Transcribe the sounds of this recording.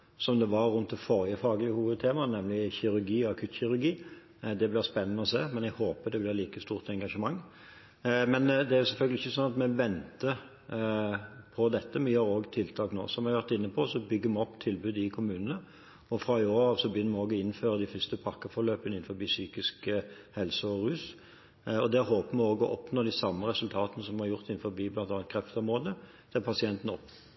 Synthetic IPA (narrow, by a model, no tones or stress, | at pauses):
sɔmd̪ɛʋɑɾːʉnt̪̚d̪ɛfɔʁjəfɑːɡəlɪhuːʋəd̪̚t̪ʰeːmɑnɛmlɪçɪɾʉɾɡiːɔɑkʰʉt̪ɕɪɾʉɾɡiː | d̪ɛblɪʁspɛnːənəɔseːmɛnɛɡhoːpəd̪ɛblɪʁliːkəst̪uːʁt̪ɛŋɡɑʂəmɑŋː | mɛnd̪ɛæɾjʊsɛlfœlɡəlɪçːəsɔnɑt̪mɛʋɛnt̪ə | pʰɔd̪ɛt̪ːəmɛjøːɾoːɡt̪ʰɪlt̪ʰɑːkno̰ːsɔmʋɪɑɾʋæʁt̪ɪnːəpʰɔsɔbʏɡːəmɛɔpːt̪ʰɪlbʉːd̪ɪkʰʊmʉːnənə | ɔfɾɑɪoːɾɑːʋsɔbjʏnːəmɛoːɡɔɪnːføːʁəd̪ɪfʏst̪əpʰɑkːəfɔɾløːpənəɪnfɔɾbiːsyːkɪskə | hɛlsəɔɾʉːs | ɔd̪ɛɾɦoːpəmɛoːɡɔ̰ʔɔpnoːd̪ɪsɑmːəɾɛsʉlt̪ʰɑːt̪ənəsɔmhɑɾjʊʁt̪ɪn̩ːfɔɾbiːblɑnt̪ɑːn̚kʰɾɛft̪əɔmʁoːd̪ə | t̪ʰɪlpʰɑsɪɛnt̪n̩ɔpː